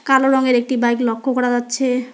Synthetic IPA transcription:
kaloɾɔŋeɾek̚ʈibajklɔkʰːokɔɾad͡ʑatːɕʰe

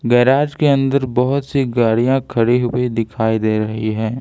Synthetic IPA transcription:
ɡɛːɾaːd͡ʒkeɐ̃nd̪əɾbɐɦʊt̪siɡaːɽijãkʰɐɽeɦʊwed̪ɪkʰaːid̪eːɾɐɦiɦɛː

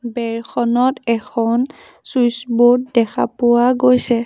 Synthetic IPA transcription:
bɛɹxʰɔnɔtɛkʰɔn | sujsbut̚dɛkʰa̰pʊwaɡojsɛ

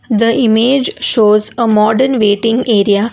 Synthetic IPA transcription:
d̪əimeːd͡ʒʃoːzəmɔːɖəɾnʋeːʈɪ̃ŋɡeːɾija

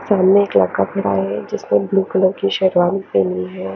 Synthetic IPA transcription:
saːmneeːklɐ̰ɡːapʰɐɽa̰ːɦɛd͡ʒɪsmẽbluːkɪlõkiʃɛɾʋaːnipeniɦɛː

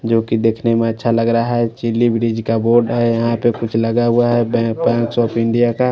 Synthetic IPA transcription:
d͡ʒoːkid̪eːkʰnemẽətːʃʰaləɡɾaɦɛt͡ʃilːibɾid͡ʒkaboːɾɖɦɛjɐɦãpekʊt͡ʃʰləɡaɦuaɦɛbbɛ̃ːŋksɔːpɪ̃ɳɖijaka

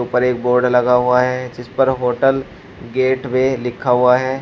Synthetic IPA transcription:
uːpəɾeːk̚boːɾɖlɐɡaɦʊaɦɛd͡ʒɪspəɾɦoːʈəl | ɡeːʈmẽlɪkʰːaɦʊaɦɛː

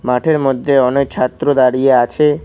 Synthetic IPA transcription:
maʈʰeɾmod̪ʱːeɔnek̚t͡ɕʰat̪ːɾod̪aɽijeat͡ɕʰe

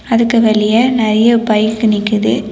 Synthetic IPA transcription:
ɐðɯkːɯʋɐɭɪjɐnɛɾɐjɐpɐjɪkːɯnɪkːɯðɯ

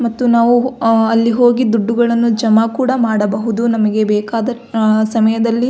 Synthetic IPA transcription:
mɐt̪ːunaːʋuɐlːiɦo̞ːɡid̪uɖːuɡɐɭɐnːud͡ʒɐmakuːɽɐmaːɽɐbɐɦud̪unɐmɐɡe̞bɛːkaːd̪ɐɾsɐmɐjɐd̪ɐlːi

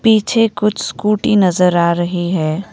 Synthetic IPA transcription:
piːt͡ʃʰekʊt͡ʃʰskuːʈinɐzəɾaːɾɐɦiɦɛː

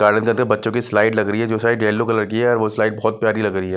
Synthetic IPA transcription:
ɡ̥aːɾɖənkɐnkəɾbɐtːʃõkislaːɪʈlɐɡɾəiɦɛd͡ʒoːsaːiɖeːlokɐləɾkiɛɔːɾʋoslaːɪʈ̚bɔːt̪̚pjaːɾilɐɡɾəɦiɦɛː

